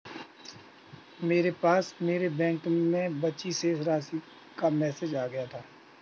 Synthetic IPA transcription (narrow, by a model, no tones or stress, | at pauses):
meːɾepaːsmeːɾebɛ̃ːŋkmẽbətːt͡ʃisesɾaːsi | kamɛːsed͡ʒaːɡəjat̪ʰaː